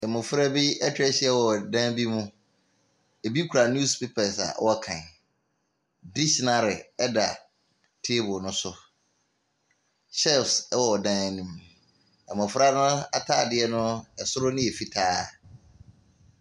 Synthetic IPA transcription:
ɛ˨mʊ̃˨fʊ˦ɾa˦bi˦ɛ˦tʰɛ˦ɕɪ˦ɛ˦wɔ˨dã˦nbi˦mũ˦ | e˨bi˦kʰu˨ɾa˨n˦u˦spʰe˦pʰɛ˨sa̰˨˦wɔ˦kʰã̰˨n | di˦ɕnã˨ɾɪ˨ɛ˦da̰˨ | tʰe˦bʊ˨nʊ̃˦sʊ˦ | ɕɛ˦˨fswɔ˨dã˦n˨nĩ˨m | ɛ˨mʊ̃˨fʊ˦ɾa˦nʊ̃˦a˨tʰaː˦˨dɪ˦ɛ˦nʊ̃˦ɛ˨sʊ˦ɾʊ˦nɪ̃˦e˨fi˦tʰaː˦

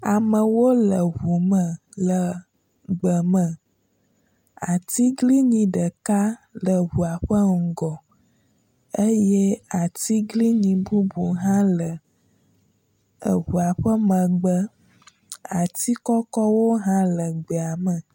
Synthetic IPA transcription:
a˨mə˨wo˦lə˨βu˨mə̃˨ | lə˨ | ɡ͡bə˨mə̃˨ | a˨t̪i˦ɡli˦ɲĩ˨ɖə˨ka˦lə˨βu˨a˨ɸə˦ŋ̩˨ɡɔ˨ | e˦je˦a˨t̪i˦ɡli˦ɲĩ˨bu˦bu˨ɦã˦lə˨ | ə̰˨βu˨a˨ɸə˦mə̃˨ɡ͡bə˦ | a˨t̪i˦kɔ˦kɔ˦wo˦ɦã˦lə˨ɡ͡bə˨a˨mə̃˨

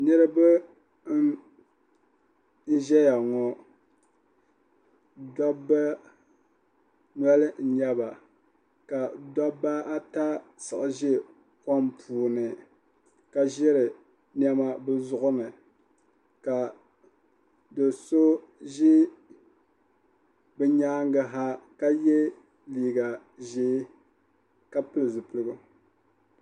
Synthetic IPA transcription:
nɨ˦ɾɨ˦bɨ˦ | n̩˦ʒɛ˦ja˨ŋɔ˨ | dɔ˦ba˦ | nɔ˦lɨ˦n̩˨ɲɛ˦ba˨ | ka˨dɔ˦ba˦a˦ta˦sɨ˨ʔa˨ʒɪ˦ | ka˦mpʰuː˨nɨ˨ | ka˨ʒɛ˦ɾɨ˨ | nɛ˦ma˦bɨ˦zʊ˦ʔʊ˦nɨ˨ | ka˨ | dɨ˨so˦ʒɪ˦ | bɛ˨ɲaː˦ŋɡa˨ɦa˦ka˦je˦ | liː˨ɡa˨ | ʒɪː˦ | ka˦pɨ˦lɨ˨zɨ˨pɨ˨lɨ˦ɡʊ˦

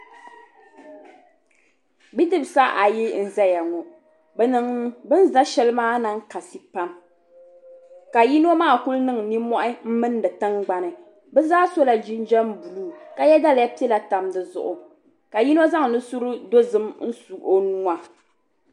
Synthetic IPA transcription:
bi˦dɨ˦bsa˦ʔa˨ji˦n̩˨za˦ja˨ŋɔ˨ | bɛ˨nɨ˨ŋbɨ˦n˦za˦ʃɛ˦lɨ˦maː˦na˦ŋ˦ka˨si˦pa˦m | ka˨ji˦no˦maː˦˨ku˦lnɨ˦ŋni˦mɔ˦ʔɪ˦m̩˦mɨ˦n˦dɨ˨tɨ˦ŋɡ͡ba˨nɨ˨ | bɛ˦zaː˦so˦la˨d͡ʒi˦nd͡ʒɛ˦m˦bu˨luː˦ka˦jɛ˦da˦lja˦pi˦ɛ˦la˨ta˨mdɨ˨zʊ̰˨ʔʊ˨ | ka˨ji˦n˦o˦za˦ŋ˨nɨ˦su˦ɾɨ˦do˦zɨ˦mn̩˦su˨ʔo˦nu˦a˨

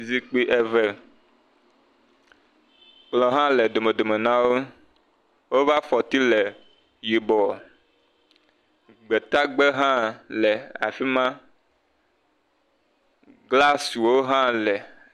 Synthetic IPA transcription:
zi˦k͡pi˦ʔɛ˦vɛ˦ | k͡plɔ̃˨ɦã˦lɛ˨d̪o˨me˨d̪o˨me˨nã˦wo˦ | wo˦va˦fɔ˨t̪i˦lɛ˨ | ji˨bɔ˨ | ɡ͡bɛ˨t̪a˦ɡ͡bɛ˦ɦã˦lɛ˨a̰˨fi˦mã˦ | ɡla˦su˨wo˦ɦã˦lɛ˨

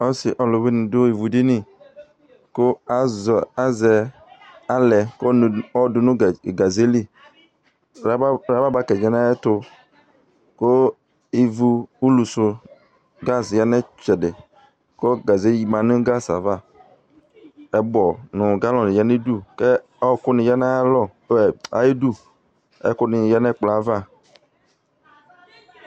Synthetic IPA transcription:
ɔ˦sɪ˨ʔɔ˨lʊ˨wɪ˦nɪ̃˨dʊ˦i˨vu˨di˦nɪ˦ | kʊ˦a˨za˦zɛ˨ | a˨lɛ˨kɔ˦˨ɔ˦dʊ˨nʊ̃˦˨ɡa˨ze˦li˦ | ɾa˦ba˦ba˦kɛ˨d͡ʒɛ˨na˦ɛ˦tʊ˧ | ko˦ | i˨vu˨u˦lu˨sʊ˨ | ɡa˦sja˦nɛ˦t͡ʃɛ˨dɪ˨ | ko˦ɡa˨ze˦li˨mã˨nʊ̃˦ɡa˦sa̰˨va˦˨ | ɛ˨bɔ˨nʊ̃˨ɡa˦lɔ˨nɪ˨ja˦ne˦du˦kɛ˦ | ɔ˦˨kʊ˦nɪ˨ja˦na˦a˦lɔ˦˨˦ɛ˨a̰˨je˦du˦ | ɛ̰˦kʊ˦nɪ˨ja˦nɛ˦˨k͡pla˨˦va˦˨

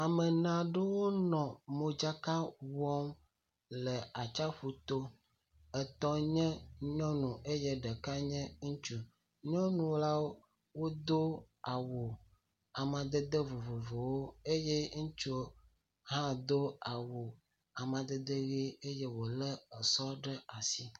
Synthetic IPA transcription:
a˨mɛ˨nã˨ɖe˦wo˦nɔ̃˨mo˨d͡ʒa˦ka˦wɔ˦m | lɛ˨a˨t͡ʃa˦ɸu˨t̪o˦ | ɛ˨t̪ɔ˦ɲɛ̃˦ɲɔ̃˦nũ˨ʔe˦jɛ˦ɖɛ˨ka˦ɲɛ̃˦ŋũ˦t͡ʃu˨ | ɲɔ̃˦nũ˨wla˦wo˦ | wo˦d̪o˦ | a˨wo˨ | a˨mã˨d̪ɛ˦d̪ə˦vo˨vo˨vo˨wo˦e˦je˦ŋ̩̃˦t͡ʃu˦o˦ | ɦã˦d̪o˦a˨wo˨ | a˨mã˨d̪ɛ˦d̪e˦ɣi˦e˦je˦wo˨lɛ˦ɛ˨sɔ˦ɖɛ˦a˨si˦

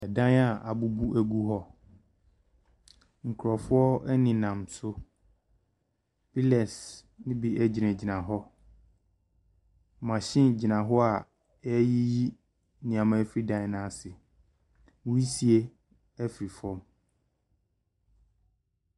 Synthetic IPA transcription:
ɛ˨dã˦na˨ʔa˨bu˨bu˦ʔæ˨ɡu˦ɦɔ˦ | ŋ̩˨kʰɾɔ˨fʊ˦ɔ˦ɛ˦nɪ̃˨nã˨msʊ˦ | pi˦lɛ˨s | nɪ̃˦bi˨ʔɛ˦d͡ʑi˨nɛ̃˨d͡ʑi˨nã˨ɦɔ˦˨ | mã˨ɕɪ̃˦n˨d͡ʑi˨nã˨ɦɔ˦a˨ | ɛ˦ji˦ji˦ | nɪ̃˨ã˨mã˨˦fɾi˦dã˨˦˨nã˨˦˨sɪ˨ | wu˦i˦si˦e˦ | ɛ˦fɾi˨fɔ̃˦m

